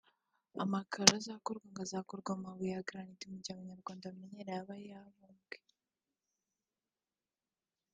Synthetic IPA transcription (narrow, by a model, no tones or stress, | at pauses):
a̰makʰaɾazakoɾɡwaŋɡazakoɾɡwamawijaɡɾanitimuɟaːβaɲaɾɡwaːndamiɲeɾajaβajaβuːŋɡe